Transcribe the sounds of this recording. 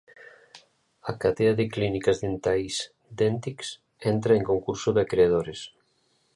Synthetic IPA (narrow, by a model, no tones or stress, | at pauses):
akat̪eaðɪklinikazðent̪ajs | d̪ent̪iks | ent̪ɾaeŋkoŋkuɾsoðɪkɾeað̞oɾes